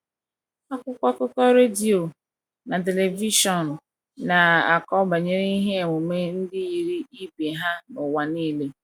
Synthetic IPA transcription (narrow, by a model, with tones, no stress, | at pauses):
a˦kʷʊ˦kʷa˦kʊ˦kɔ˦ɾe˦di˨o˨ | na˨t̬e˨le˨vi˦ʃɔ˨n˨ | na˨a˨kɔ˦ba˨ɲe˦ɾe˦i˦ɦe˦e˨mʊ˨me˦n̩˦dɪ˦ji˨ɾi˦i˦be˨ɦa˦nʊ˨wa˨niː˦˨le˦